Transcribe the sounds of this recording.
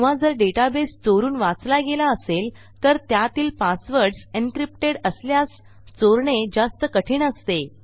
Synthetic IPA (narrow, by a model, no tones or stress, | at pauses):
ʋ̤ad͡zəɾɖeʈabest͡soɾuːnʋat͡slaɡelaəsel | t̪əɾt̪jat̪iːlpasʋəɾɽsinkɾipʈeɽəsljas | t͡soɾɳed͡zast̪əkəʈʰiːɳəst̪e